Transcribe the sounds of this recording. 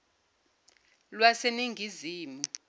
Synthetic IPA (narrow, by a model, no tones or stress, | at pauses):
lwaseniŋʱiziːmu